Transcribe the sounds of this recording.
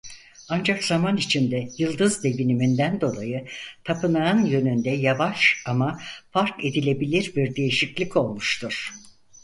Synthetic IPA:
and͡ʒakz̥amanit͡ʃʰind̪ɛjɯlˠd̪ɯzd̪e̞ɟinimind̪ænd̪o̞lˠajɯt̪ʰapʰɯnanjø̞nynd̪ɛjavaʃamafaɾke̞d̪ilʲe̞bilʲiɾbiɾd̪e̞jiʃiclʲico̞lˠmuʃt̪ʰuɾ̥

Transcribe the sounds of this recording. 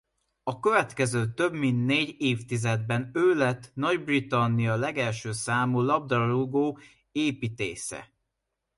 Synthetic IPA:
ɒkøvɛt̪kɛzøːt̪ø̞bmint̪neːɟeːft̪izɛd̪̚bɛnøːlɛt̪ːnɒɟbrit̪ɒnːijɒlɛɡɛlʃøːsaːmuːlɒb̚d̪ɒruɡoː | eːpiːt̪ḛːsɛ̰

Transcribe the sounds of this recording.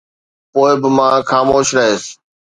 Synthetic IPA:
poːɪbɪmãːxaːmoːʃɾəɦeːs

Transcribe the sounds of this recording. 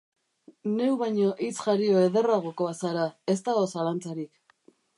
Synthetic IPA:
ne̞uwβaɲo̞ʔit͡sʝaɾio̞e̞ðe̞raɣ̞oko̞asaɾae̞st̪aɣo̞salant͡saɾik

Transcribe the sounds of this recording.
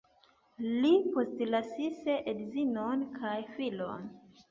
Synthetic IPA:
lipo̞stlasisedzinonkʰajfilo̰n

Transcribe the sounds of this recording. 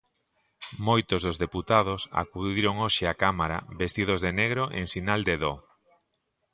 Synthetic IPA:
mojt̪ozðozðeput̪að̞osa̰kuðiɾoŋoʃeakamaɾa̰best̪ið̞ozðeneɣɾoʔḛŋsinald̪eðo

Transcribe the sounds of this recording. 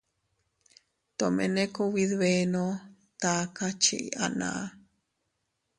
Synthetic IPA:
t̪omḛ̃nekowiðβeno | t̪akat͡ʃiʔḭʔanã̰ʔ

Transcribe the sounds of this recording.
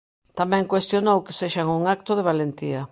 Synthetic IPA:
t̪amɛ̃ŋkwest̪jonowke̥seʃaŋuŋak̚t̪ʊðeβ̞alent̪iɐ

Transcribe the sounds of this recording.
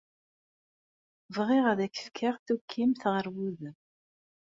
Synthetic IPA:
vʁɪʁæðæçə̥fkʰaʁθukʰːimθʁəɾwuð

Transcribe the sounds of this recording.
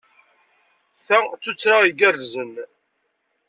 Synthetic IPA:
θæt͡sːut͡sːɾaiɡærzən

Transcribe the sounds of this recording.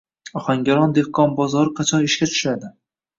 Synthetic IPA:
ɒχaŋɡʲaɾɒnd̪ehkʰɒnbɒzɒɾɨqʰɑt͡ʃʰɒnɪʃkʲat͡ʃ̪ʰʊ̥ʃad̪ɪ

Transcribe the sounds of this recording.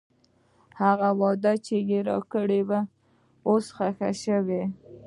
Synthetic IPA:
haɣawɑd̪at͡ʃejeɾɑ̰kəɽeba | osxaxa̰ʃəwe

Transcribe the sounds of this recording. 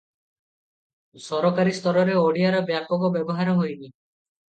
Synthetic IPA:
sɔɾɔkaɾist̪ɔɾɔɾeoɽiaɾɔbjakɔɡɔbjɔbɔɦaɾɔɦojni

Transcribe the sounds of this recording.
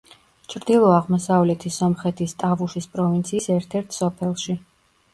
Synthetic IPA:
t͡ʃʰɾd̪ilˠɔaʁmɔsavlɛt̪ʰisɔmχɛt̪ʰist̪ʼavuʃispʼɾɔvint̪sʰiːsɛɾt̪ʰɛɾt̪ʰsɔpʰɛlˠʃi

